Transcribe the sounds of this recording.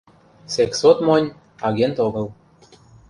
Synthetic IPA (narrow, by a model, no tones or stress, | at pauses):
seksot̪monʲ | ɑɣent̪oɣɤ̆l